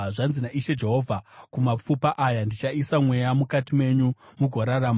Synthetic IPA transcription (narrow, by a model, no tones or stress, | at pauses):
ʐanzinaʔiʃe̞d͡ʒe̞ɦo̞vʱakumap͡fupaʔajandit͡ʃaisamwe̞jamukatime̞ɲumuɡʱoɾaɾam